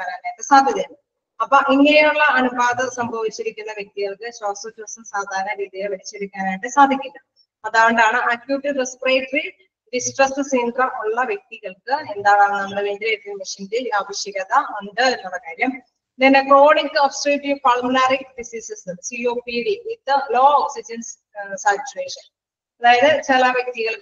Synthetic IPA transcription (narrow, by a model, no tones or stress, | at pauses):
aːnaːeʈːɨsaːd̪ʱjɐðjɐm | ɐpːoːʔiŋːɐnejuɭːɐɐnubaːðɐsɐmbʱɐʋit͡ɕːiɾikʲːunːɐʋjek̚t̪iɣɐɭkɨɕoːsɐtrɐsɐmsaːd̪ʱaːɾɐnɐɾiːðijeʋɐɾit͡ɕːɐbikʲːaːnaːjʈːɨsaːd̪ʱikʲːulːɐ | ɐðaːʋɐɳɖaːɳɨʔakjuʈːirespreːʈɐri | ɖisʈrɐstɨsiːnd̪rɐmʔuɭːɐʋjek̚t̪iɣɐɭkɨend̪aːɳaːɳɨnɐmːɐɽeʋedileʈːimiʂɐnd̪ilaːʋɐɕjɐɣɐðɐɐnd̪ɨenːuɭːɐkaːɾjɐm | ninːeko̞ːɽikːɨofsʈreːʈjufɐɭmulaːrikfisisisɨsioːpiɽimit̪ːɨlo̞ːoksid͡ʑɐns | saːt͡ɕːueːʂɐn | ɐðaːjɐðɨt͡ɕilɐʋjek̚t̪iɣɐɭ